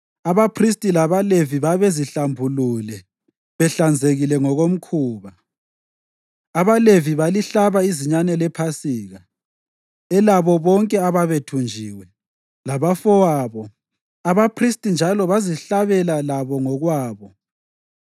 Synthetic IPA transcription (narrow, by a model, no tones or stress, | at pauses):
aβapʰristʼilaβaleviβaβeziɬambʱululɛ | βɛɬand͡zʱeɣilɛŋɔɣom̩kʰuːβa | aβaleviβaliɬaβaiziɲanɛlɛpʰasiːɣa | ɛlaβɔβɔŋkʼɛaβaβetʰund͡ʒʱiːwɛ | laβafɔwaːβɔ | aβapʰristʼind͡ʒʱalɔβaziɬaβɛlalaβɔŋɔɣwaːβɔ